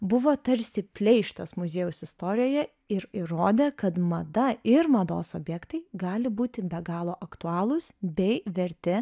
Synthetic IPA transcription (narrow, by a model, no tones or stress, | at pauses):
bʊʋoːt̪ɐɾʲsʲɪpʲlʲɛɪʃt̪ɐsmʊzʲeːjʊsɪst̪oːɾʲɪjoːjɛ | ɪɾɪɾoːd̪ʲeːkɐt̪mɐd̪ɐɪɾmɐd̪oːsoːbʲjɛkt̪ɐɪɡɑːlʲɪbuːt̪ʲɪbʲɛɡɑːlˠoːʔɐkt̪ʊɑːlˠʊsbʲɛɪʋʲɛɾʲt̪ʲɪ